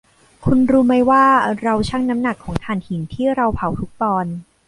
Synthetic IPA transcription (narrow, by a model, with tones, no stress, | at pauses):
kʰu˧nɾuː˦˥ma˥˩jwaː˥˩ɾa˧wt͡ɕʰa˥˩ŋna˦˥mna˨˩kʰːɔː˩˦ŋt̪ʰaː˨˩nhʰi˩˦nt̪ʰiː˥˩ɾa˧wpʰa˨˩˦wt̪ʰu˦˥k̚t̪ɔː˧n